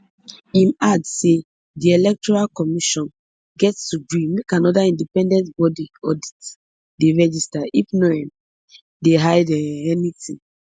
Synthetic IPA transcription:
ĩnadse | diɛlɛk̚tɔɹalkɔmiʃɔ̃n | ɡɛtstuɡɹĩmekãnɔdaĩndipɛ̃ndɛ̃ntbɔdiɔdit | deɹɛd͡ʒistaifnɔɛ̃m | deɦaɪdɛɛnitʰĩ

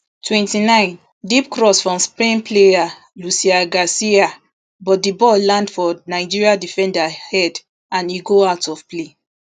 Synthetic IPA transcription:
tʰwɛ̃ntinãɪ̃n | dipkɹɔsfɔ̃mspɹĩnpleja | lusiaɡasia | bɔt̚dibɔllãndfɔnaɪd͡ʒiɹiadifɛ̃ndahɛd | ãniɡoatɔfple

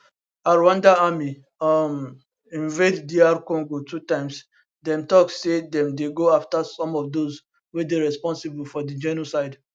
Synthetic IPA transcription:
aɹwãndaami | ɔm | ĩnveddiaɾkɔ̃ŋɡotʰutãɪ̃ms | dɛ̃mtɔkssedɛ̃mdeɡoaftasɔ̃mɔfdoz | wedeɹɛspɔ̃nsibulfɔdid͡ʒɛnosaɪd

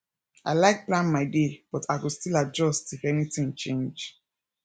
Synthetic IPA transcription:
a̰ɪlaɪk̚plãnmaɪdeb̥ɔtʰaɪkustilad͡ʒɔstifɛnitĩŋt͡ʃẽnd͡ʒ

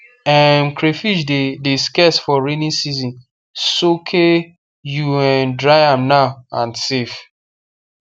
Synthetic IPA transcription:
ɛmkɾefiʃddeskɛsfɔɹenĩnsizĩn | sokʰe | juɛndɹaɪãmnaʊãnsef

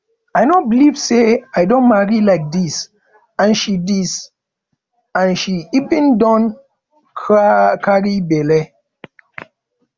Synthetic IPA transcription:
ajnobilivseajdõnmaɹilaɪk̚dis | ãnʃidis | ãnʃiipĩndɔ̃n | kaɹibɛlɛ

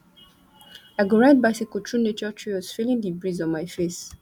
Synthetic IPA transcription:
aɪɡɔɹãt̚baɪsikɔtʰɹũnet͡ʃɔtʰɹiɔsfilĩndibɹizɔ̃nmajfes

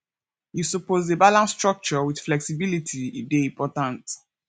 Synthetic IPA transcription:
jusɔpozebalãnsːtɹɔk̚t͡ʃɔwid̥flɛksibilitʰiideĩmpʰɔtãnt

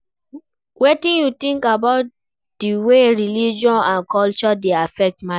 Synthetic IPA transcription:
wetĩnjutĩŋkabaʊt̚ | diweɹilid͡ʒɔ̃nãnkɔlt͡ʃɔdeafɛk̚tma

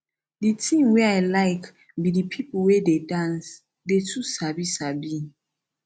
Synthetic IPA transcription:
ditʰĩmweaɪlaɪk | bidipʰipwededãns | detʰusabisabi

